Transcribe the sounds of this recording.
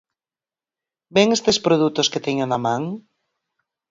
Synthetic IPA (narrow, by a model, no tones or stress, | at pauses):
beŋest̪espɾoðut̪ʊsket̪ɛɲonamãŋ